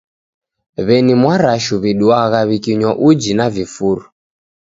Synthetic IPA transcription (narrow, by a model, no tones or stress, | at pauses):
βɛnimwaɾaʃuβiɗuaɣaβikiɲwaʔud͡ʒinavifuɾu